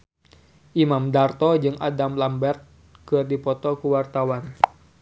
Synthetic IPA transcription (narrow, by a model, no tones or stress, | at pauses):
ʔimamdart̪ɔd͡ʒɨŋʔa̰damlambɛrt̪̚ | kɨrdipɔt̪ɔkuwart̪awan